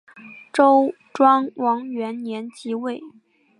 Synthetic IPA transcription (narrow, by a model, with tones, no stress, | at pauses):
ʈ͡ʂo˥ʊ | ʈ͡ʂwɑ˥ŋwɑ˧˥ŋɥɛ˧˥nnjɛ˧˥nt͡ɕi˧˥we˥˩ɪ